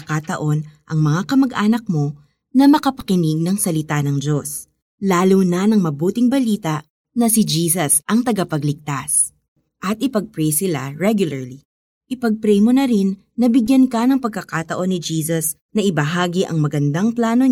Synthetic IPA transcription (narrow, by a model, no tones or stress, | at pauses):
kat̪ɐʔo̞nʔɐŋmɐŋakɐmɐɡʔaːnɐk̚mo̞ | nɐmɐkɐpɐ̥kɪniɡ̚nɐŋsɐlɪt̪anɐŋd͡ʒo̞s | laːlunɐnɐŋmɐbuːt̪ɪŋbɐliːt̪ɐʔ | nɐsɪd͡ʒiːsɐsʔɐŋt̪ɐɡapɐɡlɪk̚t̪as | ʔɐt̪̚ʔɪpɐɡ̚pɾɛjsɪla̰ɹɛɡjʊlɐɹli | ʔɪpɐɡ̚pɾɛjmonɐɾinːɐbɪɡjɐnkɐnɐŋpɐɡ̚kɐkat̪ɐʔo̞nːɪd͡ʒiːsɐs | nɐʔɪbɐɦaːɡiʔɐ̰ŋmɐɡɐnd̪aŋplaːno